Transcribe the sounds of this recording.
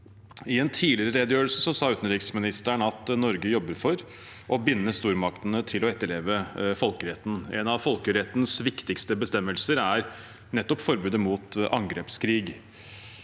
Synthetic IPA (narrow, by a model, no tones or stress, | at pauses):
ɪɛnt̪ʰiːlɪɾəɾeːd̪əjøːəlsəsɔsɑːʉːt̪n̩ɾɪksmɪnɪst̪əɳɑt̪nɔɾɡəjɔbːəɾfɔɾ | ʔɔbɪnːəst̪uːɾmɑkt̪ənət̪ʰɪlɔɛt̪ːəɭeːʋəfɔlkəɾɛt̪ːn̩ɛ̰nɑʋfɔlkəɾɛt̪n̩sʋɪkt̪ɪkst̪əbəst̪ɛmːəlsəɾæɾ | nɛt̪ːɔpfɔɾbʉːd̪əmuːt̪ɑŋɡɾeːpskʰɾiːɡ